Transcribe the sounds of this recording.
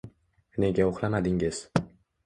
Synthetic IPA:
ne̞ɡʲaoχlamad̪ɪŋɪz̥

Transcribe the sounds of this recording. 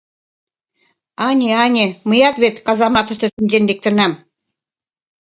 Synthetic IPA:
ɑnʲeɑnʲemɨjɑt̪βet̪kɑzɑmɑt̪ə̆ʃt̪ə̆ʃynʲd͡ʑend̪ek̚t̪ə̆nɑm

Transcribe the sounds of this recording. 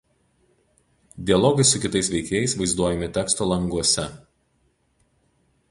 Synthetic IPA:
d̪ʲɪɐlˠɔːɡɐɪsʊkʲɪt̪ɐsʋʲɛɪkʲeːjɛɪsʋɐɪzd̪uɔjɛmʲɪt̪ʲɛːkst̪oːlˠɐŋɡuɔsʲɛ

